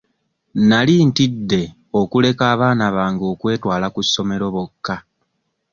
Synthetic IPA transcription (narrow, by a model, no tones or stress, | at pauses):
naliːntidːe̞ | o̞kule̞kaːβaːnaβaːŋɡo̞kwe̞ːtwaːlakusːo̞me̞ɾo̞βo̞kːa